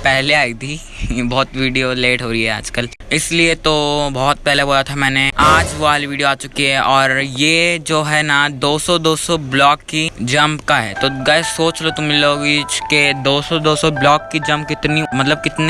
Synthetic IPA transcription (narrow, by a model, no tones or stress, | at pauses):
pɛɦleaːit̪ʰi | bɔːt̪ʋiːɖijoleːʈɦoːɾiɦɛa̰ːd͡ʒkəl | ɪsliet̪obɔːt̪̚pɛɦleboːlat̪ʰamɛ̃ːneaːd͡ʒʋaːliʋiːɖijoaːt͡ʃʊkiɦɛʔɔːɾjeːd͡ʒoːɦɛnad̪oːsɔd̪oːsɔblɔːkːid͡ʒɐmbkaɦɛ̰ːt̪oɡɐɛsoːt͡ʃlot̪ʊmːɪlːoɡit͡ʃked̪oːsɔd̪oːsɔblɔːkːid͡ʒɐ̃mb̚kɪt̪nimɐt̪ləb̚kɪt̪ne